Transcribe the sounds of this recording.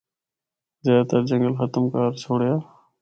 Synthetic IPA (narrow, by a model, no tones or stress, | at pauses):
zaːt̪əɾd͡ʑəŋɡəlxət̪əmkaːɾsʰoːɽjaː